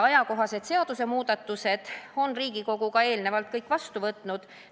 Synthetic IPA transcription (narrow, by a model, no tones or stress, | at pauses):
ɑjɑko̞ɦɑse̞d̪se̞ɑd̪̥use̞muːd̪ɑt̪ːˑuse̞d̪̥o̞nriːɡ̥iko̞ɡ̥ukɑe̞ːlne̞vɑlt̪̚kɤjkːˑvɑst̪uvɤt̪ːˑnud̪̥